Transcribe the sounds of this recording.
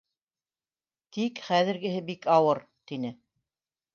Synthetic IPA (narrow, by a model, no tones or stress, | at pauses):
t̪ikχæðɘ̆ɾɡɘ̆ɦɘbikɑwɤɾ | t̪inɘ